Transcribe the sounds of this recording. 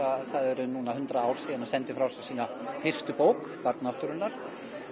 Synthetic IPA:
aθaðɛɾʏnunahɦʏnt̪ɾaaːwɾ̥siːðanhansɛnt̪ɪfɾawsasiːna | fɪr̥st̪ʏpoːwk | paɾt̪naht̪ʏɾʏnːaɾ̥

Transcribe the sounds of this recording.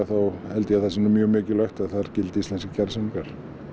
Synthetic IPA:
aθawhɛlt̪ɪjɛaθɛsɪnʏmjœːɣmʏːcɪlœxt̪aðθaɾcɪlt̪ɪist̪ɛnskḁcʰaɾsɛnkaɾ̥

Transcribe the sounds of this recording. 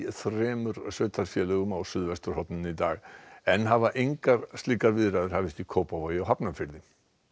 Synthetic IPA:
θrɛːmʏɾsœt̪ʰaɾfjɛlʏɣʏmawsyðvɛst̪ʏɾ̥hɔt̪nənid̪aːɣɛnɦavaʔɪŋkaɾst̪ikaɾviːðɾaðʏɾhavɪst̪ikʰoːpavɔjaɦapnamfɪlðɪ

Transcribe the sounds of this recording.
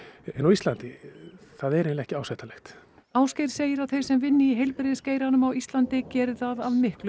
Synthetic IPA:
ɛnawist̪lant̪ɪθaðɛɾẽːnlɪɛhcɪaːwsɛjht̪alɛxt̪ | aːwscejɾ̥seːjɪɾawθejɾ̥sɛmvɪnːɪiɦejlpɾeðɪsceːjɾanʏmawist̪lant̪ɪcɛːɾɪðaðaðmɪhklʏ

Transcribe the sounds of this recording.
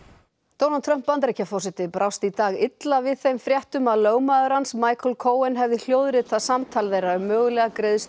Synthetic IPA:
t̪oːwnant̪ʰɾœm̥pːant̪ɾecafɔsɪt̪ɪpɾʔawst̪it̪aːɣɪt̪lavɪðθejmfɾʲjɛht̪ʏmaðloːwmaðʏɾansmaːjkʰɔlkʰoːwɛnɦɛvðɪl̥jowðɾɪt̪ʰasamt̪ʰaːlvɛjɾaʏmːœːɣʏlɛɣakɾeðʏs

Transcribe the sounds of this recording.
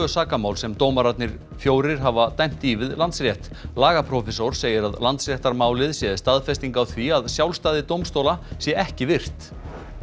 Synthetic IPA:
œsaːkamaːwlsɛmt̪oːwmaɾat̪nɪɾ̥ | fjoːwɾɪɾ̥ɦavat̪ajm̥t̪ivɪðlant̪sɾrjɛht̪ | laːɣapʰɾɔfɛsowɾ̥seːjɪɾaðlant̪sɾjɛht̪aɾmaːwlɪðsjɛðɪst̪aðfɛst̪iŋkawθviaðsjawlst̪aːðɪt̪owmst̪owlasjɛʔɛhcɪvɪr̥t̪

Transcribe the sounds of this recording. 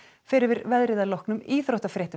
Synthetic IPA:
fɪːɾɪɾvɪɾvɛðɾɪðalɔhknʏmiːθɾowht̪afɾɛːht̪

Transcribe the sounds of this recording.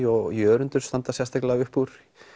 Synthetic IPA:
ɔɣjœːɾʏnt̪ʏɾ̥st̪ant̪asjɛst̪ʰaklavʏhpuɾ̥

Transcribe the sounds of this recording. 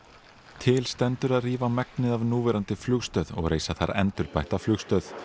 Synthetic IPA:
t̪ʰɪlst̪ɛnt̪ʏɾaðriːvamɛknɪðavnuːvɛɾant̪ɪflʏɣst̪œːðɔ̰ɣɾeːjsaθa̰ɾɛ̰nt̪ʏɾpajht̪aflʏxst̪œð

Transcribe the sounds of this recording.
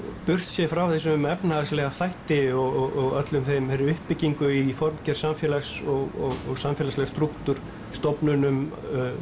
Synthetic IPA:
pʏr̥t̪sjɛfɾawθɛs̬ʏmɛpnaɣaslɛːɣaθajht̪ɪɔɣɔɣɔɣœt̪lʏmθejmhɛɾʏʏhpːɪcːiŋkʏifɔɾmcɛr̥samfjɛːlasɔɣɔɣɔɣsamfjɛːlaslɛɣast̪ɾukt̪ʏɾ̥ | st̪ɔpnʏnʏm

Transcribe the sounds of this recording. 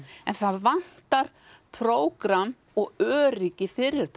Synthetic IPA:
ɛnθaðvan̥t̪aɾ̥ | pʰɾoːwkɾam | ɔɣœːɾicɪfɪɾːɪɾ̥θ

